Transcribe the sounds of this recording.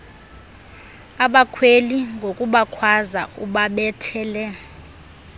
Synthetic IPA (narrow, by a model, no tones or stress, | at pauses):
aɓakʰweliŋɡʱokʼuɓakʰwazauɓaɓɛtʰɛːlɛ